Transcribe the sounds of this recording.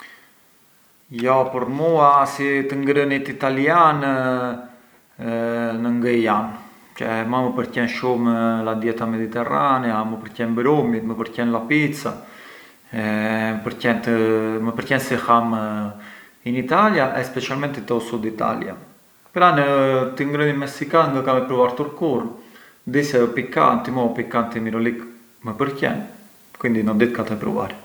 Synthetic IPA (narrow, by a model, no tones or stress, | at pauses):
jjɔpəɾmuasit̪əŋɡɾənit̪it̪alian | nəŋɡəjan | t͡ʃɛmaməpəɾcɛnʃumlad̪jɛt̪amɛd̪it̪ɛranɛaməpəɾcɛnbɾumit̪məpəɾcɛnlapit͡sa̰ | ɛəpəɾcɛnt̪məpəɾcɛnsɛham | init̪aljaʔɛspɛt͡ʃialmɛnt̪it̪ɔsud̪it̪a̰lj̰a̰ | pɛɾanət̪iŋɡɾənimɛsikannd̪əkamipɾuvaɾt̪uɾkurn | d̪isɛɔpika̰nt̪imɔpikant̪imiɾɔlik | məpəɾcɛ̰n | kwind̪inɔd̪it̪̚kat̪ɛpɾṵva̰ɾ